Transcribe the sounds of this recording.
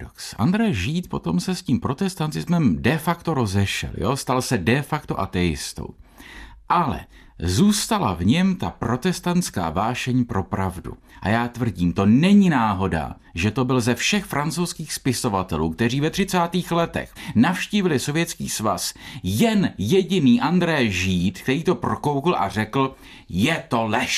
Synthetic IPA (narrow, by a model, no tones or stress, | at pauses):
oksʔa̰nd̪ɾɛjʒiːt̪po̞t̪o̞msɛsciːmpɾo̞t̪ɛst̪ant̪ɪzmɛmdɛfakt̪o̞ɾo̞zɛʃɛ̰ljost̪alsɛdɛfakt̪o̞ʔat̪ɛjɪ̰st̪o̰w | ʔalɛ̰ | zuːst̪ala̰vɲɛmt̪apɾo̞t̪ɛst̪ant̪t͡ska̰ːvaːʃɛɲpɾo̞pɾavdṵ | ʔa̰jaːt̪vr̩ɟiːmt̪o̞nɛɲɪnaːɦo̞da̰ | ʒɛt̪o̞bɪlzɛfʃɛxfɾʔant͡sowskiːxspɪso̞vat̪ɛluːk̚t̪ɛr̝iːvɛt̪r̝ɪt͡saːt̪iːxlɛt̪ɛ̰xnafʃciːvɪlɪso̞vjɛt͡skiːsva̰sjɛnjɛɟɪniːʔand̪ɾɛjʒiːt̪kt̪ɛɾiːt̪o̞pɾo̞ko̞wkl̩ʔa̰rɛkl̩ | jɛt̪o̞lɛʃ